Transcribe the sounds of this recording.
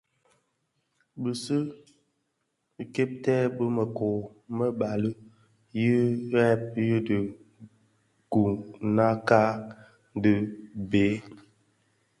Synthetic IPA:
bə˨sə˦˨ | ke˦p̚tɛ˦bə˦mə˨kɔ˨ | mə˦ba˨lə˦ | ji˦ɛ˦p̚ji˦də˨ | ɡ̥u˨na˦ka˦ | də˦be˨˦

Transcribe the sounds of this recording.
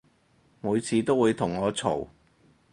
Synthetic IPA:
muː˨˧jt͡sʰiː˨˧t̪o˥wuː˨˧jt̪ʰʊ˨˩ŋːɔː˨˧t͡sʰo̰˨˩w

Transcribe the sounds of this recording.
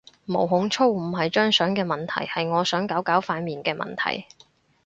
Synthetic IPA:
mo˨˩wɦʊ˨˥ŋt͡ʃʰo˥wm̩˨˩ɦɐ˨jt͡ʃœː˥ŋsœː˨˥ŋkɛː˧mɐ˨˩nt̪ʰɐ̰˨˩jhɐ˨jŋɔː˨˧sœː˨˥ŋkaː˨˥wkaː˨˥wfaː˨˧nmiː˨nkɛː˧mʔɐ̰˨˩nt̪ʰɐ̰˨˩j

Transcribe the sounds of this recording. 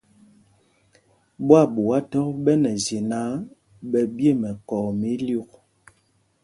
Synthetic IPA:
bwa˦˨ɓu˨a˦tɔ˦k̚ɓɛ˦nɛ˨ze˨na˨˦ | ɓɛ˨bi˦e˦˨mɛ˨kɔ˨mi˦lu˦˨k̚

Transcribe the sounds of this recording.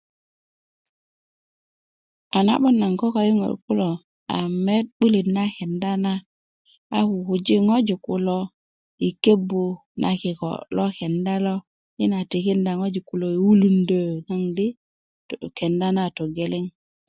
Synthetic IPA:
a˨na̰˦ɓo˦nːa˨ŋko˦ka˨ji˦ŋo̰˨ɾku˦lo˨ | a̰˨me˦t̚ɓu˦li˨tna˦ke˨nda˦na˦ | a˦ku˨ku˨d͡ʒi˦ŋo˦d͡ʒi˨ku˨lo˦ | i˨ke˦bu˨ | nʔa̰˨ki˨ko̰˨lo˦ke˨nda˦lo˦ | i˦na˨ti˨ki˦nda˨ŋo˦d͡ʒi˨ku˨lo˨i˨wu˦lu˦ndə˦˨na˦ŋdi˦ | tke˨nda˦na˦to˨ɡe˨li˦ŋ

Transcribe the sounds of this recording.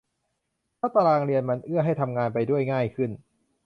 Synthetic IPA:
t̪ʰaː˥˩t̪a˧laː˧ŋɾi˧ənma˧nʔɯ˥˩ɐɦa˥˩jt̪ʰa˧mŋaː˧npa˧jdu˥˩əjŋaː˥˩jkʰɯ˥˩n

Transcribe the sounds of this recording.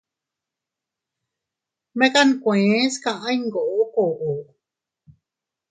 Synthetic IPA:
mẽ˦ka˦nkʷẽ˦skã˧ʔã˦iŋɡo˨ʔo˦ko˨ʔo˨

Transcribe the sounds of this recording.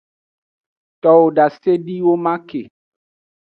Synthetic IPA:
t̪ɔ˨wo˨ɖa˨se˦ɖi˦wo˦mã˦ke˨

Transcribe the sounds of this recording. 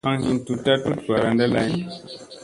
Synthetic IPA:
ã˦ŋhi˦mtu˨ta˦tu˦t̚ka˨ɾã˦nda˦la˦n

